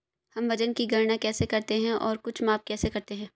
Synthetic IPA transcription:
hɐmʋɐd͡ʒənkiɡʱɐɾnakɛːsekɐɾt̪eɦɛ̃ʔɔːɾkʊt͡ʃʰmaːp̚kɛːsekɐɾt̪eɦɛ̃ː

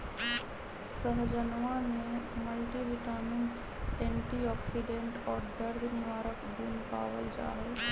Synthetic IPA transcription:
səɦd͡ʒənʋanẽmɐlʈiɦɪʈəɾmɪns | ɛ̃ːɳʈiɔːksɪɖẽːɳʈɔːɾd̪ɐɾd̪nɪʋaːɾəkbuːmpa̰ːʋəld͡ʒa̰ːɦəl

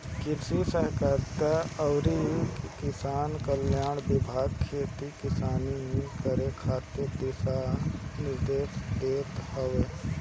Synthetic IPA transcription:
kɪsusəɦkaɾt̪aəʊɾikɪsaːnkəljaːɳbɪbʱaːɡ̚kʰeːt̪ikɪsaːniɦĩkəɾekʰaːt̪eɾd̪ɪsanɪɾd̪eːʃd̪eːt̪hoʋeː

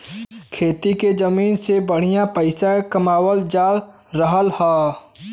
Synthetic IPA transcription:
kʰeːt̪iked͡ʒɐmiːnsebəɽ̤ijãpəɪsakɐmaːwəld͡ʒaːl | ɾəɦəlhaː

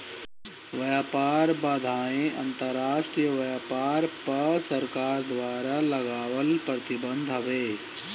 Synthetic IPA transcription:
ʋɐjaːpaːɾbaːd̪ʱaːẽɐ̃nt̪əɾːaːʃʈɾijəʋɐjaːpaːɾpɐsɐɾkaːɾd̪ʋaːɾalɐɡaːʋəlpɾət̪ɪbə̃nd̪ʱɦɐʋeː

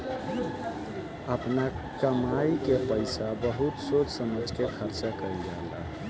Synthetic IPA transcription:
əpna | kəmaikepəɪsabəɦut̪sot͡ʃsəməd͡ʒʱkekʰəɾt͡ʃakəɾid͡ʒala̰ɦ

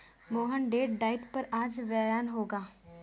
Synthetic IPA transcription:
moːɦənɖeːʈɖaːɪʈpɐɾaːd͡ʒʋɛɾaːnɦoːɡaː

